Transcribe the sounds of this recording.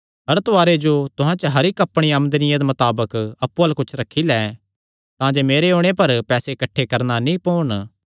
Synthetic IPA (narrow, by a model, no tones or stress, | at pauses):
ɦɐɾt̪ʊaːɾed͡ʒot̪ʊɦãt͡ʃɐɦɐɾɪkɐpɽ̃iɐmnd̪ənɪjãd̪emɐt̪aːbəkɐpːuɐlkʊt͡ʃʰɾɐkʰːilɛː | t̪ãːd͡ʒemeːɾeõːɽ̃epɐɾpɛːsekɐʈʰːekɐɾnanĩpoːɳ